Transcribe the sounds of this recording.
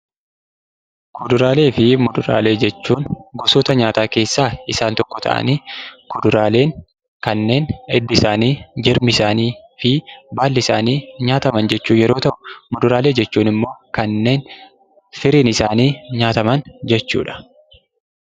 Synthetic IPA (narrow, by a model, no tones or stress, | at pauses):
kʊd̪ʊɾaːle̞ːfɪmʊd̪ʊɾa̰ːle̞ːd͡ʒɛt͡ʃːuːnɡɔsoːt̪ɐɲaːt̪aːke̞ːsːaːɪsaːnt̪ɔkːɔt̪ʰɐ̰ʔɐ̰niːkʊd̪ʊɾaːle̞ːŋ | kɐnːe̞ːnɛd̪ːɪsaːniːd͡ʒɛɾmɪsaːniː | fɪbaːlːɪsaːniːɲaːt̪ɐmɐnd͡ʒɛt͡ʃːuːjɛɾo̞ːt̪ɐʔʊ̥mʊd̪ʊɾaːle̞ːd͡ʒɛt͡ʃːuːnɪmːo̞ːkɐnːe̞ːn | sɪɾiːnɪsaːniːɲaːt̪ɐmɐnd͡ʒɛt͡ʃːṵːᶑɐ̥